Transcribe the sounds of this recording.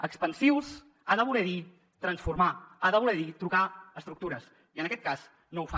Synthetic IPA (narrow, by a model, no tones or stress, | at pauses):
əkspənsiwz | aðəβ̞ulɛði | t̪ɾənsfurmaaðəβulɛðit̪ɾukaəst̪ɾuk̚t̪uɾəs | iənəkɛt̪kaz | nowfa